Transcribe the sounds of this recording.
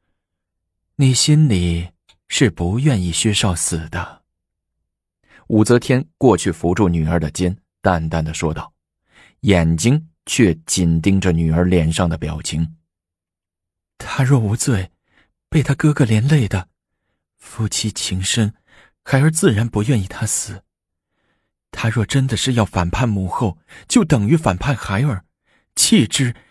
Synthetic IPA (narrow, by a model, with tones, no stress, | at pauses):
ni˨˩ɕi˥nli˨˩ | ʂɻ̩˥˩pu˧˥jɛ˥˧ni˥˩ɕɥɛ˥ʂɑ˥˩ʊsɹ̩˨˩d̪̥ə˦ | u˨˩t͡sɤ˧˥t̪ʰjɛ˥nkwɔ˥˧t͡ɕʰy˥˩fu˧˥ʈ͡ʂu˥˩ny˨˩ə˞˧˥d̪ə˨t͡ɕjɛ˥n | t̪a˥˧nt̪a˥˩nd̪ə˩ʂwɔ˥t̪ɑ˥˩ʊ | jɛ˨˩nt͡ɕi˥ŋ | t͡ɕʰɥɛ˥˩t͡ɕi˨˩nt̪i˥ŋʈ͡ʂə˨ny˨˩ə˞˧˥ljɛ˨˥nʂɑ˥˩ŋd̪ə˩pjɑ˨˩ʊt͡ɕʰi˧˥ŋ | t̪ʰa˥ɻwɔ˥˩u˧˥t͡swe˥˩ɪ | pe˥˩ɪt̪ʰa˥kɤ˥ɡə˥˧ljɛ˧˥nle˥˩ɪd̪ə˩ | fu˥˩t͡ɕʰi˧˥˩t͡ɕʰi˧˥ŋʂə˥ŋ | xa˧˥ɪə˞˧t͡sɹ̩˥˩ɻa˧˥npu˧˥jɥɛ˥˧ni˥˩t̪ʰa˥sɹ̩˨˩˦ | t̪ʰa˥ɻwɔ˥˩ʈ͡ʂə˥nd̪ə˨ʂɻ̩˥˧jɑ˥˩ʊfa˨˩npʰa˥˩nmu˧˥xo˥˩ʊt͡ɕjo˥˩ʊt̪ɤ˨˩ŋy˧˥fa˨˩npʰa˥˩nxa˧˥ɪə˞˨˩ | t͡ɕʰi˥˩ʈ͡ʂɻ̩˥